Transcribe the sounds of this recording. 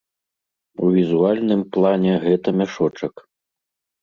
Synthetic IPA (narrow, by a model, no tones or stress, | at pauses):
uvʲizualʲnɨmplˠanʲɛɣɛt̪ɐmʲaʂɔt͡ʂɐk